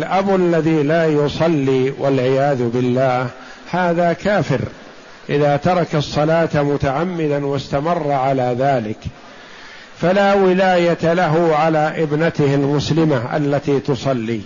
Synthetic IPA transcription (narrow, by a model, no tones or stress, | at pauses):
lʔabalːaðiːlaːjʊsˤɑlːiːwʔalʕɪjaːðʊbɪlːaːh | haːðaːkaːfɪɾ | ʔɪðaːt̪ɑɾˤɑkɑsˤːɑlaːt̪mʊt̪aʕamːɪd̪anwast̪amɑrˤːɑʕalaːðaːlɪk | falaːwɪlaːjat̪alaɦʊʕalaːʔɪbnat̪ɪhɪlmʊslɪmaʔa̰lːat̪iːt̪ʊsˤɑlːiː